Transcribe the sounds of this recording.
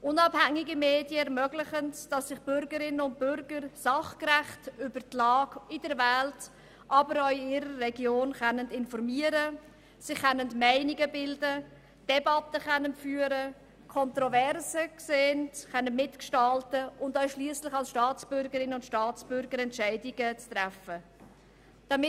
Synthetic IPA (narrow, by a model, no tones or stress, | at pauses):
ʔʊnɑphæŋɪɡəmeːdjəmøɡlɪχəntd̥ɑsːɪχb̥ʏɾɡəɾɪnəʊnt̚bʏɾɡəɾsɑχkræχtʏbəɾtlɑːɡɪdɛɾvɛlt | ʔɑbəɾœɪɪɾərːɛɡjoːnχɛnːəndɪnfɔɾmiəɾə | sɪχːɛnːəntmɛɪniɡəbɪldə | d̥ɛbɑtəχɛnːənfyːəɾə | kʰɔntɾɔvɛrsəkseːntχɛnːənmɪtkʃtɑltəʊndœɥʃliːslɪχɑlsʃtɑːt͡sb̥ʏɾɡəɾɪnəʊntʃtɑːt͡sb̥ʏɾɡəɾɛntʃæɪdiɡət͡st̪ɾæfə | d̥ɑmɪ